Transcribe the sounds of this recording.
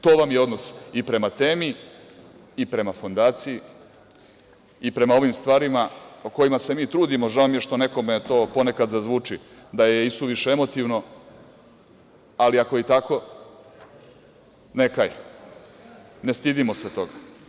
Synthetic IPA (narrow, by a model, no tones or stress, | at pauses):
t̪o̞ːʋamjeo̞d̪no̞sipɾe̞mat̪eːmiː | pɾe̞mafo̞nd̪aːt̪siji | ipɾe̞mao̞ʋimst̪ʋaːɾimaoko̞jimase̞miːt̪ɾuːd̪imo̞ʒaomije̞ʃt̪o̞ne̞ko̞met̪o̞ːpo̞ne̞kad̪zazʋuːt͡ʂi | d̪ajeist̪uʋiʃeemo̞t̪iʋno̞ | aliako̞it̪ako̞ | ne̞kaj | nest̪id̪imo̞set̪o̞ɡa